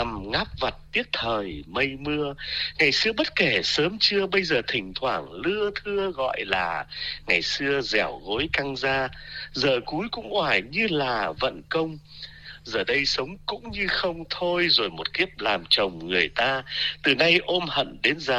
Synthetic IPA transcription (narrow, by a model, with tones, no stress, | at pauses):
a˨˩mŋaː˦˥p̚va˨˩t̚t̪i˦˥ət̚t̪ʰəː˨˩jmə˧jmɨ˧əŋa˨˩jsɨ˧əɓə˦˥t̚ke˧˩səː˨˦mt͡ɕɨ˧əɓə˧jzəː˨˩t̪ʰï˨˩ŋ̟t̪ʰwaː˧˩ŋlɨ˧ət̪ʰɨ˧əɣɔ̰˧˨jlaː˨˩ŋa˨˩jsɨ˧əzɛ˧˩wɣo˨˦jka˧ŋzaː˧zəː˨˩ku˨˦jkʊ̰˧˥ŋ͡mʔwaː˧˩jɲɨ˧laː˨˩və̰˧˨nkə˧wŋ͡m | zəː˨˩ɗə˧jsə˨˦wŋ͡mkʊ̰˧˥ŋ͡mɲɨ˧xə˧wŋ͡mt̪ʰo˧jzo˨˩jmo˨˩t̚ki˦˥əp̚laː˨˩mt͡ɕə˨˩wŋ͡mŋɨ˨˩əjt̪aː˧t̪ɨ˨˩na˧jʔo˧mhə̰˧˨nɗe˨˦nzaː˨˩